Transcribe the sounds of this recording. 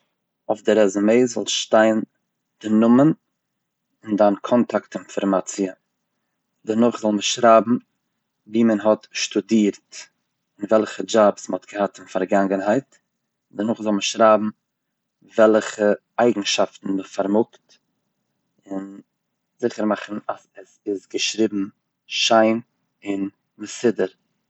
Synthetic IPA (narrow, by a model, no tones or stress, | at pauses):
ʊfdɪɾɛzʊmeɪzɔ̰lˠʃtaɪn | d̥ɪnʊmən | ɪndankʰɔntʰaktɪnfɔɾmat͡siə | dəɾnʊχzɔlˠməʃɾaːbm̩ | viːmənɦɔtʃtʊdiːɾt | ɪnvɛlˠχəd͡ʒabsməhɔtɡ̥əhatɪnfaɾɡaŋɡənɦaɪt | dəɾnʊχzɔlˠməʃɾaːbm̩ | vɛlˠχə | aɪɡŋ̩ʃaftn̩məfaɾmʊkt | ɪn | zɪχəɾmaχn̩asɛsɪsɡəʃɾɪbm̩ | ʃaɪn | ɪn | məsɪdəɾ